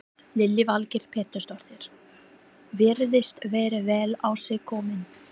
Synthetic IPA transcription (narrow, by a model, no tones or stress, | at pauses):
lɪlːɪvalcɪɾ̥pʰɛːt̪ʏst̪ɔɾ̥ðɪɾ̥ | vɪɾðɪst̪vɛːɾɪvɛːlawsɛɣkʰɔːmɪn